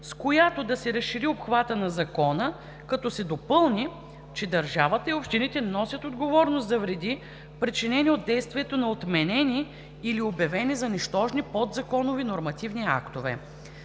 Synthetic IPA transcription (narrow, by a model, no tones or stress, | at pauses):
skojat̪od̪ɐsɛɾəsʃiɾiopxvat̪ənɐzɐkɔnə | kɐt̪ɔsɛd̪opɤlˠni | t͡ʃɛd̪ɐɾʒavət̪əiopʃt̪init̪ɛnɔsʲjət̪od̪ɡovɔɾnosd̪ɐvɾɛd̪i | pɾit͡ʃinɛniod̪d̪ɛjst̪viɛt̪onɐot̪mɛnɛniː | liobjɐvɛnizɐnɛʃt̪ɔʒnipɔd̪zɐkɔnʊvinoɾmɐt̪ivnia̰kt̪ovɛ̰